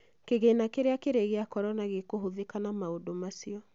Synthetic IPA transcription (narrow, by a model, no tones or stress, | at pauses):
keɣenakeɾeakeɾeɣeakɔɾɔnaɣekoɦoðekanamaodomasiɔ